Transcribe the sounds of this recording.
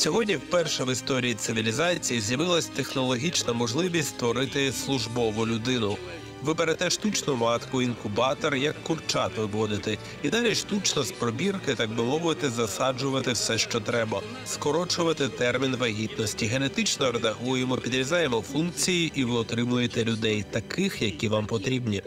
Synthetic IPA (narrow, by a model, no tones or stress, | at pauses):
sʲɔɦɔdʲnʲiwpɛrʃɐʋɪst̪ɔɾʲiit̪sɪʋʲilʲizɑt͡sʲijizʲjɐʋɪlˠɐsʲt̪e̞xnɔlˠɔɦʲit͡ʃnɐmɔʒlˠɪʋʲisʲt̪ʲt̪ʋɔɾɪt̪ɪslˠʊʒbɔʋʊlʲʊd̪ɪnʊ | ʋɪbeɾet̪ɛʃt̪ut͡ʃnʊmɑt̪kʊinkʊbɑt̪ɔrjɐkːʊrt͡ʃɑt̪ʋɪbɔd̪ɪt̪ɪ | id̪ɑlʲiʃt̪ut͡ʃnɔspɾɔbʲirkɪt̪ɑɡ̚bɪmɔʋɪt̪ɪzɐsɑd͡ʒʊʋɐt̪ɪwsɛʃt͡ʃɔt̪ɾɛbɐ | skɔɾɔt͡ʃʊʋɐt̪ɪt̪ɛrmʲinʋɐɦʲit̪nɔsʲtʲiɦe̞ne̞t̪ɪt͡ʃnɔɾed̪ɐɦujemɔpʲid̪ɾʲizɑjemɔfunk̚t͡sʲijiʔiʋɪɔt̪ɾɪmʊjet̪ɛlʲʊd̪ɛjt̪ɐkɪxjɐkʲiʋɑmpɔt̪ɾʲibnʲi